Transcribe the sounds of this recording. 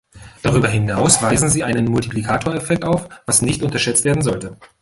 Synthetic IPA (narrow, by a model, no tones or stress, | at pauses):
d̥aʁyːbɐɦɪnaʊsv̥aɪzn̩ziːʔaɪnənmʊltiplikʰaːtʰoːɐɛfɛk̚taʊfv̥asnɪçtʔʊntɐʃɛt͡stv̥eːɐdn̩zɔltə